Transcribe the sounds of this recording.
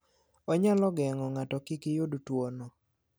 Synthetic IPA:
ɔɲalɔɡɛŋɔŋatɔkikɪjodtwonɔ

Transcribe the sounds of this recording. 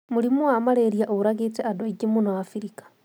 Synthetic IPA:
mulimuwamaleɾjaʔouɾaɣit͡seadoiɡimunoafiɾikḁ

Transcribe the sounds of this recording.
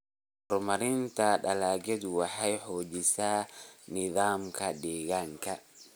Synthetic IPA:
hɔrmɐɾɪnt̪ʰɐɖɐlaːɡɛd̪wɑħɑjħɔːt͡ʃɪsaːnɪðaːmkʰɐɖ̪ɛːɣaːŋkʰɐ

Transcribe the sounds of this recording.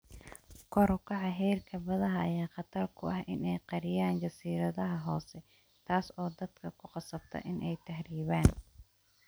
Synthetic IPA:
kʰɔɾkʰɑʕɑɦɛːrkʰɐbɐðɐɦɐʔːjaːqɑt̪ʰɐrkʰʊʔɐhʔɪnɛjqɑɾɪjaːnt͡ʃɐsiːɾɐðɐɦɐɦɔːsɛ | t̪ʰaːsɔːd̪ɐd̪kʰɐkʰʊqɑsɐbt̪ʰɐ̰ʔɪnʔɛjt̪ʰɐhriːβaːn

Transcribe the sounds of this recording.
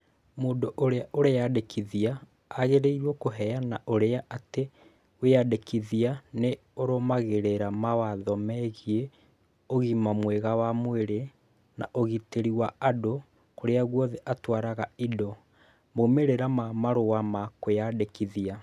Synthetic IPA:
moːdoʔoɾeaʔoɾejadekʰiðiaː | ɣeɾeiɾwɔkoɦɛjanaʔoɾeaʔate | wejadekiðiane | oɾomaɣeɾeɾamawaðɔmɛɣie | oɣimamweɣawamweɾe | na̰ʔoɣiteɾiwaado | koɾeaɣwɔðɛʔatwaɾaɣaidɔ | momeɾeɾamamaɾowamakojadekiðia

